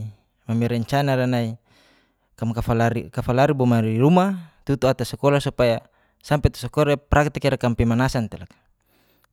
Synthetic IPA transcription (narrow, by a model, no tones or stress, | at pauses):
mamɛɾɛɲt͡ʃanaɾanai | kamkaalaɾikafalaɾibɔmaɾiɾumat̪ut̪uat̪asɛkɔlasupaja | sampet̪ḁsɔkɔɾapɾʔak̚t̪ikiɾakampɛmanasant̪elakḁ